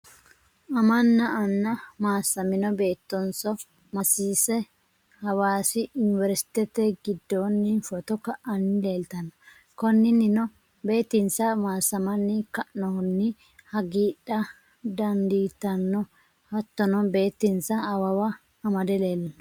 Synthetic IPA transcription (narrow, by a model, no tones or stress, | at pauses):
ʔɐmɐnːɐʔɐnːɐmaːsɐmɪnɔbe̞ːt̪ːɔnsɔ | mɐsiːsɛ | hɐwaːsɪʊnɪvɛɾsɪ̥t̪ɛt̪ɛɡɪd̪ːonːɪfɔt̪ɔkɐʔɐnːɪle̞ːlt̪ɐnɔ | kɔnːɪnːɪnɔ | be̞ːt̪ːɪnsɐmaːsːɐmɐnːɪkɐʔnɔnːɪ | hɐɡiːᶑɐ | d̪ɐnd̪iːt̪ɐnːɔ | hɐt̪ːɔnɔbe̞ːt̪ːɪnsɐɐwɐwɐ | ɐmɐd̪ɛle̞ːlɐnɔ